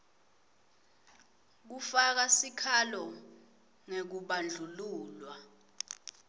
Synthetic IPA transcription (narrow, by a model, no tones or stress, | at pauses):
k̬ufak̬asikʰalɔ | ŋek̬uɓand͡ɮʱuluːlwa